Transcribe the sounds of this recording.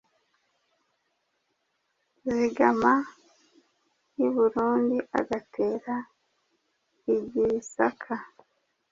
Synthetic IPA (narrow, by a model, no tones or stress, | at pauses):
ziɡama | juβuɾuːndiʔa̰ɡatʰe̞ːɾa | iɟiɾisakʰa